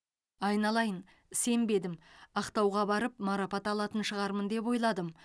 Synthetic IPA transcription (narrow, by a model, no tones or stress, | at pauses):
ɑjnɑlˠɑjən | se̞mbe̞d̪ɪmɑqt̪ɑwʁɑbɑɾəpmɑɾɑpɑt̪ɑlˠɑt̪ənʃəʁɑɾmənd̪e̞p̬o̞jlˠɑd̪əm